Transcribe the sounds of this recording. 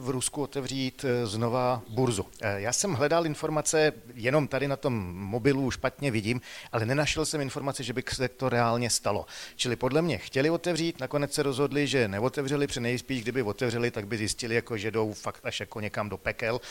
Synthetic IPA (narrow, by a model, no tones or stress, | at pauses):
vɾuskuot̪ɛvr̝iːt̪zno̞vabuɾzujaːsɛmɦlɛdalʔɪnfo̞ɾmat͡sɛjɛno̞mt̪adɪnat̪o̞mːo̞bɪluʃpat̪ɲɛvɪɟiːmʔalɛnɛnaʃɛlsɛmɪnfo̞ɾmat͡sɛʒɛbɪsɛt̪o̞ɾɛaːlɲɛst̪alo̞̰t͡ʃɪlɪpo̞dlɛmɲɛxcɛlɪo̞t̪ɛvriːt̪nako̞nɛt͡ssɛɾozɦo̞dlɪʒɛnɛo̞t̪ɛvr̝ɛlɪpr̝̥ɛnɛjspiːʒɡdɪbɪvot̪ɛvr̝ɛlɪt̪aɡ̚bɪzjɪscɪlɪjakoʒɛdo̞wfakt̪aʃjakoɲɛkamdo̞pɛkɛl